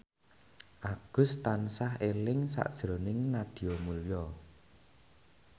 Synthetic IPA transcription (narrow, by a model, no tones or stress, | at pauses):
ʔaɡ̥ʊ̤st̪ansaɦelɪŋsa̰ʔd̥ʒ̥ɾonɪŋnad̪̥i̤jomuljɔ